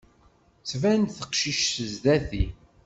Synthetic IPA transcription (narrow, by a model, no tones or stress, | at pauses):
svænθəqʃiʃθəzd̪æθi